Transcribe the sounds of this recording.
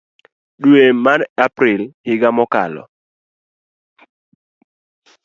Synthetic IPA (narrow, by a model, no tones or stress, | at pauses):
ɗuemanapɾɪlhɪɡamɔka̰lɔ̰